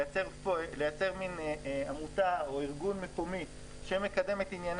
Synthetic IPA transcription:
t͡seʁpolejat͡se̞ʁminamutao̞iʁɡunme̞ko̞mi | ʃemekade̞met̪injan

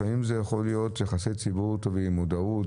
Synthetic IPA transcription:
aimzejaχo̞lijo̞t̪jeχasit͡sibuʁt̪ovimud̪aut

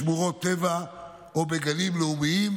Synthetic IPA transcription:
muʁot̪ːeva | obeɡalimleumiim

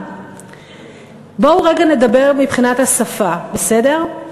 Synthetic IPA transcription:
bouʁeɡane̞dabe̞ʁmipχinathasafabese̞de̞ʁ

